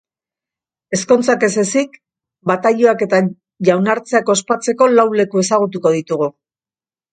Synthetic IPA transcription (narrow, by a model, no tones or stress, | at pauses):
e̞sko̞nt͡sake̞se̞sik | bat̪aʎoake̞t̪a | ʝawnaɾt͡seako̞spat͡se̞ko̞lawle̞kue̞saɣ̞ut̪̬uko̞ð̞it̪uɣu